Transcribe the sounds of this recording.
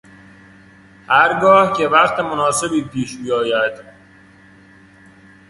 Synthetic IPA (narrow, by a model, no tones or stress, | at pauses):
hæɾɡɒːhce̞væɣt̪ʰemonɒːse̞biːpʰiːʃbijɒːjæd̪̥